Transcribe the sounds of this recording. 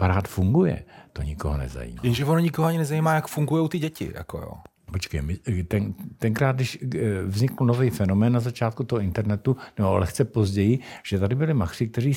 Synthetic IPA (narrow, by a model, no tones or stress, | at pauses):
paɾaːt̪fuŋɡujɛ̰t̪o̞̰ɲɪko̞̰ɦonɛ̰za̰jḭːma̰jɛnʒɛvonoɲɪkoɦoaɲɪnɛzajiːmaːjakfuŋɡujowt̪ɪɟɛcɪ̰ja̰ko̰jo̰ː | pot͡ʃkɛjmɪt̪ɛnt̪ɛŋkɾaːd̪̚dɪʃvzɲɪkl̩novijfɛno̞mɛːnːazat͡ʃaːt̪̚kut̪oɦoɪnt̪ɛɾnɛt̪unɛboa̰lɛxt͡sɛpo̞zɟɛjɪʒ̥ɛt̪adɪbɪlɪmaksɪk̚t̪ɛriː